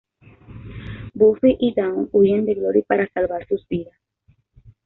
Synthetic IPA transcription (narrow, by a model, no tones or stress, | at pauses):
bufiʔid̪awnuʝend̪eɣloɾipaɾasalβaɾsuzbiðas